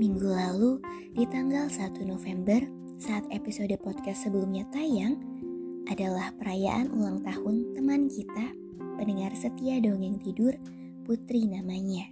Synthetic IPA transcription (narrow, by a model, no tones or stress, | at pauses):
miŋɡulalu | dit̪aŋɡalsat̪unofɛmbər | saːt̪episodəpɔd̪̚kast̪səbəlumɲat̪ajaŋʔadalahpəɾaja̰ʔanʔṵlaŋt̪ahʊnt̪əmankit̪a | pənəŋarsət̪iadoŋɪŋt̪idʊr | put̪ɾinamaɲa